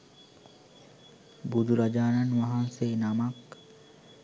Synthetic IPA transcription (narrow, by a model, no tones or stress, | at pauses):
bud̪uɾad͡ʒaːnanʋaɦanseːnamak